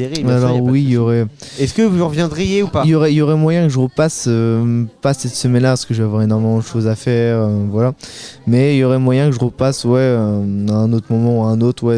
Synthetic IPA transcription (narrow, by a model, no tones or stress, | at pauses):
eʁialɔʁwijɔʁɛɛskəvulʁəvjɛ̃d̪ʁijeupailjɔʁɛiljɔʁɛmwajɛ̃kəʒəʁəpasøpasɛt̪səmɛnlapaʁsə̥kəʒəveavwaʁenɔʁmemɑ̃d̪əʃozafɛːʁøvwalamɛilɔʁɛmwajɛ̃kəʒəʁəpaswɛø̃ɛ̃not̪χəmɔmɑ̃aɛ̃not̪χwɛ